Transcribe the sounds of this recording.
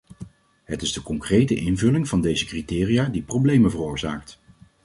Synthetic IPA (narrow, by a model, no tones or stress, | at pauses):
ɦətɪzdəkɔŋkrejtəʔɪnvɵlɪŋvɑndejzəkritɪːrijaːdiprowblejməvərʊːɹza̰ːk̚t